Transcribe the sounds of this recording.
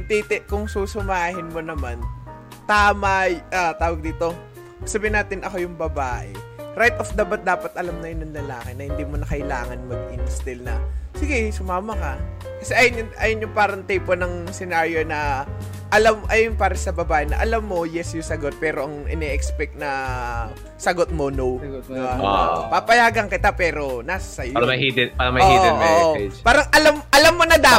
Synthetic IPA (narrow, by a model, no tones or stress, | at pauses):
ɐɡ̚t̪it̪ɛʔkʊŋsuːsʊmaːhɪnmo̞nɐman | t̪aːmɐʔat̪aːwɐɡ̚d̪iːt̪o̞ | sabɪɪnaːt̪ɪnʔɐko̞jʊŋbɐbaːʔɛ̰ɾajt̪ʔofd̪aːbɐt̪̚d̪aːpɐt̪̚ʔɐlamnɐjʊnɐŋlɐlaːkɛnɐhɪnd̪iːmonɐkɐʔɪla̰ːŋɐnmɐɡ̚ʔɪnst̪ɪlnɐ̰sɪɡɛsʊmaːmɐkɐ | kɐsɛʔajɐnjʊŋʔajonjʊŋpaːɾɐŋt̪ɛjponɐŋsɛnaɹjonɐ | ʔɐlɐmʔɐjʊnpaːɾɐsɐbɐbaːʔɪnɐ̰ʔɐlɐmːo̞jɛsjʊsɐɡot̪̚pɛːɾo̞ʔɐŋʔɪnɛʔɛkspɛk̚nɐ | sɐɡot̪̚monowd̪ɪbapapɐjaːɡɐŋkɪt̪apɛːɾo̞nasɐ̥sɐjɐid̪paːɾɐmɐoiɛmɛopaːɾɐŋʔɐlɐmʔɐlɐmːonɐd̪a